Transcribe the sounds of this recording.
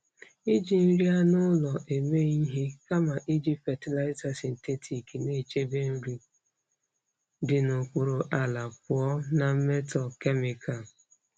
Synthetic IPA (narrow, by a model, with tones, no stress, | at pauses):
i˦d͡ʒi˨n̩˦ɾi˦a˦nʊ˦lɔ˨ʔe˨me˦i˦ɦi˦ka˦ma˨ʔi˦d͡ʒi˦fɛ˨ti˦la˦ɪ˦ta˨si˨n̩˨te˦tʰi˨ki˨ne˦˨t͡ʃe˦be˦n̩˦ɾi˦ | dɪ˨no˨kʷu˦ɾo˨ʔa˨la˨pʊ˨ɔ˦na˨m̩˦me˦tɔ˨ke˦mi˨kʰa˨